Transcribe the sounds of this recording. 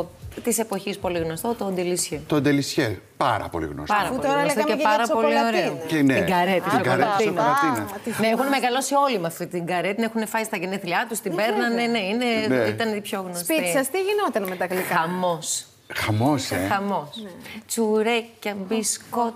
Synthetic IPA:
t̪isepo̞çispo̞liɣnost̪ot̪ond̪elisçet̪ond̪elisçe | pɐɾɐ̰polḭɣno̰spɐɾɐuot̪oɾɐleoeɐɾɐsolioɾeneiɡɐɾet̪isoɐolinineexunemeɣɐlo̞sio̞limɐffit̪iɡɐɾet̪inexunefɐsist̪ɐʝeneθliɐt̪ust̪ibeɾnɐneneineit̪ɐnipçoɣnospitisɐst̪iʝinot̪ɐnmet̪ɐklikaɐmo̞s | xɐmosexɐmo̞st͡suɾecɐbisko

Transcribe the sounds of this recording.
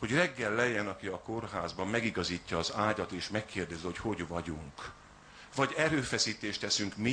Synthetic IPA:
ho̞ɟrɛɡːɛlːɛjɛnɒkiɒko̞rɦaːzbɒmːɛɡiɡɒziːcːɒːzaːɟɒt̪eːʃmɛkːeːrd̪ɛziho̞cho̞ɟvɒɟuŋk | vɒɟɛɾøːfɛsiːt̪eːʃt̪ɛsyŋkmi

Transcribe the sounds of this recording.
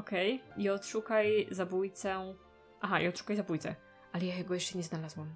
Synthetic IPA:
ɔkɛjiɔt̪ʂukajzabujt̪sɛ | ʔaɦaʔḭɔt̪ʂu̥kajzabujt̪sɛ̰ | ʔalɛjajɛɡɔjɛʂt͡ʂɛɲɛznalazwɛm

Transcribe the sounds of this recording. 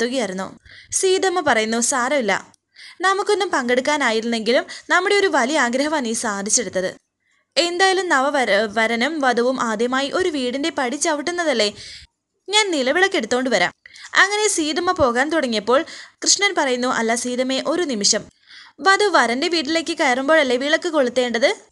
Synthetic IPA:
t̪ːoɣijɐɾunːṵsiːðɐmːɐpɐrɐjunːusaːɾɐmilːɐ̰ | nɐmukːo̞nːumpɐŋɡe̞ɽuk̬ːaːnaːjiɾunːe̞ŋɡilumnɐmːuɽe̞o̞ɾuʋɐlijɐaːɡɾɐɦɐmanisaːd̪ʱit͡ɕːeɽut̪ːɐðɨ̰ | e̞nd̪aːjɐlumnɐʋɐʋɐɾɐnumʋɐd̪ɐʋumʔaːd̪jɐmaːjiʔo̞ɾuʋiːɽinde̞pɐɽit͡ɕːɐʋiʈːunːɐðɐlːe̞ | ɲaːnnilɐʋiɭɐkːe̞ɽut̪ːoːɳɖɨʋɐɾa̰ːmɐŋːɐne̞siːðɐmːɐpo̞ːɣaːnt̪uɽɐŋːijɐpːo̞ːɭkrɨʂɳɐnpɐrɐjunːuʔɐ̰lːɐsiːðɐme̞ʔo̞ɾunimiʂɐm | ʋɐd̪uʋɐɾɐnde̞ʋiːʈ̬ːile̞ːkːɨkɐjɐrumbo̞ːɭɐlːe̞ʋiːɭɐkːɨko̞ɭːut̪ːe̞ːɳɖɐðɨ

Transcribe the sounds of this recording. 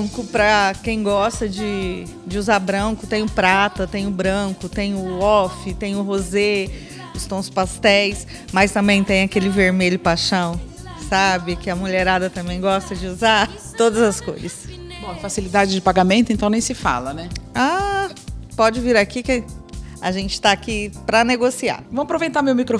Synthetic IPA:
kʊpɾɐkẽj̃ɡɔst̪ɐd͡ʒɪ | d͡ʒɪuzabɾɐ̃kʊt̪ẽj̃ʊpɾat̪ɐt̪ẽj̃ʊbɾɐ̃kʊt̪ẽj̃ʊɔfɪt̪ẽj̃ʊɦoze | ʊst̪õw̃ʊspast̪ɛjs | mɐjst̪ɐ̃mbẽj̃t̪ẽj̃ɐkelɪveɾmeʎʊpaʃɐ̃w̃ | sabɪkɪɐmuʎeɾad̪ɐt̪ɐ̃mbẽj̃ɡɔst̪ɐd͡ʒɪuza | t̪od̪ɐzɐsko̰jzɐs | bõw̃fasilid̪ad͡ʒɪd͡ʒɪpaɡamẽnt̪ʊẽnt̪ɐ̃nẽj̃sɪfa̰lɐnɛa | pɔd͡ʒɪviɾakikɪa̰ʒẽnt͡ʃɪ̥t̪aːkipɾɐneɡosia̰ṽw̃ɐpɾovejt̪amewmikɾo

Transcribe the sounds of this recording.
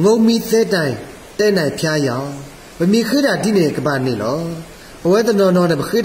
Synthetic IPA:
ŋoʊ̃mit̪ɛtãɪ̃ | tɛnãɪ̃pʰjajã | bəmjikʰɪdadinɛ̃ɡəbanɪ̰̃lɔ | bəwɛt̪ənɔnɔnɛ̃bəkʰɪ

